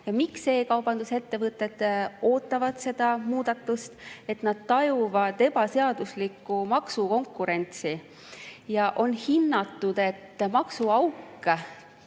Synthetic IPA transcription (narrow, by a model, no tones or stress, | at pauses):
jɑmikse̞ːkɑwb̥ɑnd̪use̞t̪ːe̞vɤt̪ːˑe̞d̪̥o̞ːt̪ːˑɑvɑd̪̥se̞d̪̥ɑmuːd̪̥ɑt̪ːˑust̪e̞t̪nɑd̪̥̚t̪ɑjuvɑd̪̥e̞b̥ɑse̞ɑd̪̥uslikːumɑksuko̞ŋkːˑuɾe̞nʲt̪si | jɑʔo̞nhinːɑt̪ːˑud̪̥e̞t̪ːmɑksuɑwkː